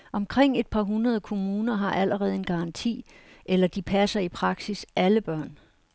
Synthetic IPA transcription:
ʔɒ̽mkʰʁeŋ̰e̝d̥̚pʰɑ̈ɦunɐð̞ˠəkʰo̝muːnɐɦɑ̈ʔæləʁɛːð̞̩ˠe̝nɡ̥ɑ̈ɑ̈nt͡sʰḭːʔelɐd̥ipʰæsɐipʰʁɑ̈ɡ̥sisæləb̥ɶɐ̰n

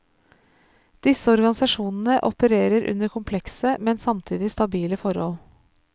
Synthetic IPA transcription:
d̪̥ɪsəɔɾɡɑnɪsɑʃuːnn̩əʔɔpəɾeːɾəɾʔʉ̰nəɾkʰʊmpʰlɛksəmɛnsɑmt̪ʰiːd̪ɪst̪ɑbiːləfɔɾhɔ̰l

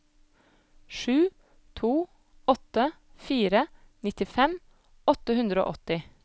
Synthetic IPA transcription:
ʃʉː | t̪ʰuː | ɔt̪ə | fiːɾə | nɪt̪ɪfɛm | ɔt̪əhʉnd̪ɾo̰ːʔɔt̪ɪ

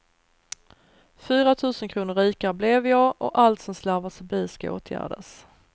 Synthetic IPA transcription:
fyːɾat̪ʰʉ̟ːsənkʰɾuːnəɾiːkaɾəblɛvjɑːʔɔʔalt̪sɔmslæɾvasœbiːskaʔo̰ːt̪ʰjæ̰ːɖə̰s

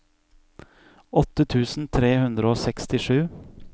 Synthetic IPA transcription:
ɔt̪ət̪ʰʉːsn̩t̪ʰɾeːhʉnd̪ɾəoːsɛkst̪ɪʂʉː

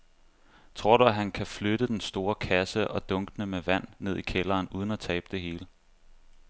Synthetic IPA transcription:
t͡sʰʁo̝ɐ̰ɾ̥uæɦænkʰæfløɾ̥əd̥ensd̥o̝ːɐkʰæsəʔɒ̽d̥ɔ̽ŋɡ̥ənəmeʋæn̰ːe̝ð̞̰ˠikʰelɐːnuːð̞ˠən̩æt͡sʰɛ̰ːb̥əd̥e̝ɦe̝ːlə

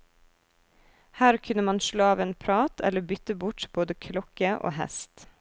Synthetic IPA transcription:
hæːɾkʰʉnəmɑnʃɭoːɑːʋeːnpʰɾɑːt̪ʰɛ̰ləbʏt̪əbʊʈboːd̪əkʰlɔkəʔo̰ːhɛ̰st̪

